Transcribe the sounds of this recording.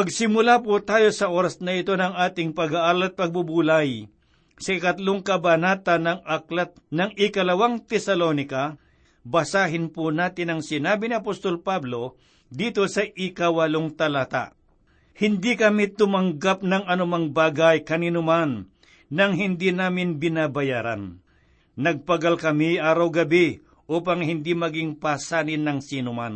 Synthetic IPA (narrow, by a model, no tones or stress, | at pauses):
pɐɡsɪmʊlapʊt̪aːjo̞sɐʔo̞ːɾɐsnɐɪt̪o̞nɐŋaːt̪ɪŋpɐɡaʔaːɾlɐt̪̚pɐɡ̚bubuːlaj | sɐʔɪkɐt̪loŋkɐbɐnaːt̪ɐnɐŋɐklat̪nɐŋɪkɐlɐwaŋt̪ɛsɐlonɪkɐ | bɐsaːɦɪnpʊnaːt̪ɪnɐŋsɪnaːbɪnɪɐpost̪o̞lpablo̞ | d̪iːt̪o̞sɐʔɪkɐwɐloŋt̪ɐlat̪a̰ʔ | hɪnd̪ikɐmit̪ʊmɐŋɡap̚nɐŋɐnʊmaŋbaːɡɐjkɐniːnʊmanː | ɐŋɦɪnd̪inaːmɪnbɪnaːbɐjaːɾɐ̰nː | ɐɡ̚pɐɡalkɐmiʔaːɾɐwɡɐbi | ʔuːpɐŋhɪnd̪imɐɡɪŋpaːsaːnɪnːɐŋsinʊman